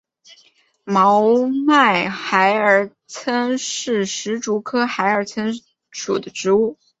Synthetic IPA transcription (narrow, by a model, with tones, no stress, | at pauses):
mɑ˧˥ʊma˥˩ɪxa˧˥ɪə˞˨˧˩ | t͡sʰə˥nʂɻ̩˥˩ʂɻ̩˧˥ʈ͡ʂu˧˥kʰɤ˥xa˧˥ɪə˞˧˥t͡sʰə˥n | ʂṵ˨˩d̪ə˦ʈ͡ʂɻ̩˧˥u˥˩